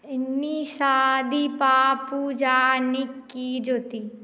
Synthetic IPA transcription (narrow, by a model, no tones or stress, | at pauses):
niʃaːd̪ipaːpud͡ʒaːnɪkːid͡ʒoːt̪iː